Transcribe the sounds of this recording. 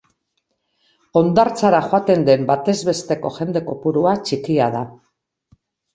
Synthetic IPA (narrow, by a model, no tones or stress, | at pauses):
o̞nd̪aɾt͡saɾaxoat̪e̞nd̪e̞mbat̪e̞zβe̞st̪e̞ko̞xe̞nd̪e̞ko̞puɾuat͡ʃikiað̞a